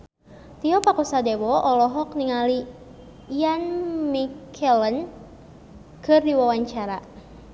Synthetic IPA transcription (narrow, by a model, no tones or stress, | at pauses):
t̪iɔpakusadewɔɔlɔɦɔkniŋali | janmikʰɛlən | kɨrdiwawaɲt͡ʃaɾa